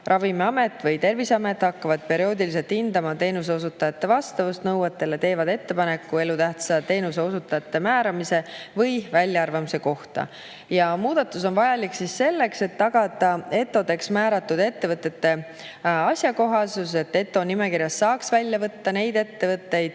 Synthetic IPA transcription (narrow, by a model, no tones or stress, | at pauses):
rʔɑvimeɑme̞t̪ːˑvɤjt̪e̞rvisɑme̞t̪ːˑhɑkːɑvɑd̪̥̚pe̞ɾio̞ːd̪iliselt̪hind̪̥ɑmɑt̪e̞ːnus̬eo̞s̬ut̪ːˑɑjɑt̪ːe̞vɑst̪ɑvust̪nɤwɑt̪ːˑe̞let̪e̞ːvɑd̪e̞t̪ːe̞pɑne̞kːˑue̞lut̪æht̪sɑt̪e̞ːnuse̞o̞sut̪ːˑɑjɑt̪ːe̞mæːɾɑmise̞vɯjvælʲjɑɑrvɑmise̞ko̞ht̪ɑ̰ | jɑmuːd̪̥ɑt̪ːˑus̬o̞nvɑjɑliksisːe̞lːe̞kse̞t̪ːɑɡ̥ɑd̪̥ɑe̞t̪ːˑo̞d̪e̞ksmæːɾɑt̪ːˑud̪e̞t̪ːe̞vɤt̪ːˑe̞t̪ːe̞ | ɑsʲjɑko̞ɦɑsus̬e̞t̪ːe̞t̪ːˑo̞nime̞kirjɑsːɑːksvælʲjɑvɤt̪ːɑne̞jd̪̥e̞t̪ːe̞vɤt̪ːe̞jd̪̥